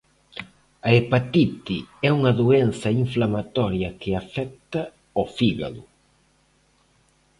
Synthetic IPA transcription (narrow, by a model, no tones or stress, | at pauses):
ɐepat̪it̪iɛuŋɐðuenθɐiɱflamat̪ɔɾjɐkɪafɛk̚t̪ɐ | ofiɣa̰ðʊ